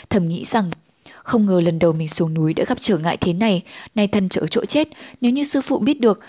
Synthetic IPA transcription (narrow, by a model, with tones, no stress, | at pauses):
t̪ʰə˧˩mŋḭ˧˥z̥a˨˩ŋ | xə˧wŋ͡mŋəː˨˩lə˨˩nɗə˨˩wmï˨˩ŋ̟su˨˦əŋnu˨˦jɗa̰ː˧˥ɣa˦˥p̚t͡ɕəː˧˩ŋa̰ː˧˨jt̪ʰe˨˦na˨˩jna˧˩jt̪ʰə˧nt͡ɕəː˧˩t͡ɕo̰˧˥t͡ɕe˦˥t̚ne˨˦wɲɨ˧sɨ̰˧fṵ˧˨ɓi˦˥ət̚ɗɨ˨˩ək̚